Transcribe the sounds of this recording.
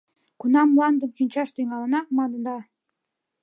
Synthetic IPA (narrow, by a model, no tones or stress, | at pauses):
kunɑmlɑnd̪əmʃynʲt͡ɕɑʃt̪yjŋɑlə̆nɑmɑnənd̪ɑ